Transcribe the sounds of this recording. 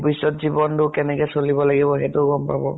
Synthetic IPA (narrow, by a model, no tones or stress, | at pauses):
bisɔtzibɔntʊkɛnɛkɛsolibɔlaɡibɔɦɛtʊɡɔmpa̰bɔ̰